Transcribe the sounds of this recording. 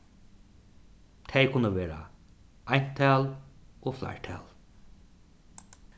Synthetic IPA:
t̪ʰejkʰʊnəʋeːɾa̰ajn̥t̪ʰæːloːfla̰ɹt̪ʰɛ̰ːl

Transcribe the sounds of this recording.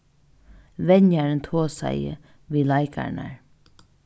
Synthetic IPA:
ʋɛɲjaɾənt̪ʰoːsa̰jə̰ | ʋiːlajkʰa̰ɳa̰ɹ

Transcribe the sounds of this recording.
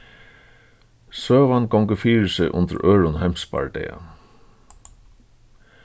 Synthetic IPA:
søːʋanɡɔwŋkəfiːɾɪsɪʔʊ̰nt̪əɾøːɾʊnhajmspa̰ɹd̪ɛ̰ːa̰

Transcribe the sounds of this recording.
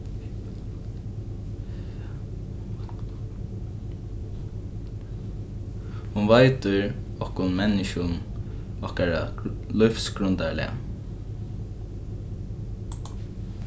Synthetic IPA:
hʊnʋaɪt̪ʏɹ | ɔhkʊnmɛnɪʃʊn | ɔhkaɹalʊfsɡɾʊnt̪aɹlɪ̰a̰

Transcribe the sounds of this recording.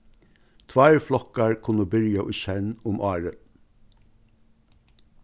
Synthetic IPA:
t̪ʰʋæːɹflɔkɑɹkʰʊnəbʏɾɪjɑʔʊːçɛnʊmʔɑːɹə

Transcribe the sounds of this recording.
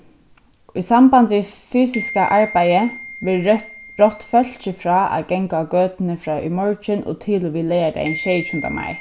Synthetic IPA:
ujsambant̪ʋifyːsɪskaʔaɹpajɪʋɪɹɔt̪ːfœl̥t͡ʃɪfɾɑːa̰ðɡɛŋkakøːt̪ɪnɪfɾɑːʏ̰mɔɹt͡ʃɪnʔɔ̰t̪ʰɪlʊʋiːlɛjaɾa̰ɪnʃɛːjt͡ʃunt̪a̰ma̰jɹ

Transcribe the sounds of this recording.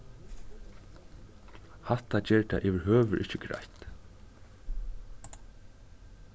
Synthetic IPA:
hat̪at͡ɕɛːɹt̪ʰa̰ʔɪʋɪɹɦøːʋʏɾʔɪhcɪɡɾa̰jt̪

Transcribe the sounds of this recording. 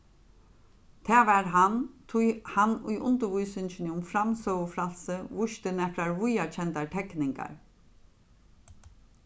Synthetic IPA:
t̪ʰæːʋæːɾɦant̪ʰujhanṵjʔʊnt̪əʋujsʏnt͡ʃɪnɪʊmfɾamsœəflalsəʋʊʃt̪ənɛflaɹʋujat͡ʃʰɛnt̪aʈ̪ʰɛknɪŋka̰ɹ

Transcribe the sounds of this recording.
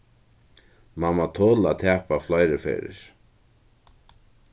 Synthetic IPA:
mamat̪ʰoːlat̪ʰɛːpaflajɾɪfɛ̰ːɾɪ̰ɹ̥

